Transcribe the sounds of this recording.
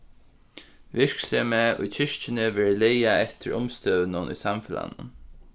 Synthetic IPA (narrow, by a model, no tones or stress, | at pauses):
vɪɹksɛmɛʊ̰jt͡ɕʰɪʂt͡ʃɪnɪvɛːɹlejaɛt̪ʰɪɹʊmst̪øːðnʊnʔʊ̰jsamfɪla̰nʊ̰n